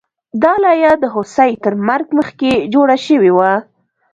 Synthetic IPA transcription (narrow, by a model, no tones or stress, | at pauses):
d̪ɑlɑjad̪əɦosajt̪əɾmaɾɡməxked͡ʒoɽaʃəwewa